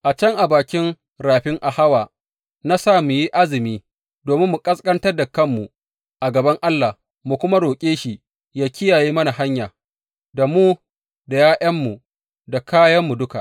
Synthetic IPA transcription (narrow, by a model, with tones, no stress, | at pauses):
ʔa˨t͡ʃɐ˦ŋʔa˨baː˨kʲɪ˦ŋ | ɾaː˨ɸɪ˦ŋʔa˨ha˦waː˨ | na˦saː˦mu˨ji˦ʔa˦zɪ˨miː˦ | doː˨mɪ˦mːu˨kʼɐ˦skʼɐ˦ntɐ˦rda˨kɐ˦˨mːu˨ | ʔa˨ɡɐ˨bɐ˦ŋʔa˦lːa˨h | mu˨kʷʊ˦ma˦ɽoː˨kʲʼeː˦ʃi˨ | jaː˦kʲɪ˦jaː˨jeː˦mɐ˦na˨ɦa˦ɲjaː˨ | da˨muː˦ | da˨jaː˦ʔɐ˦mːu˨ | da˨kaː˦jɐ˦mːu˨dʊ˦ka̰˨ʔ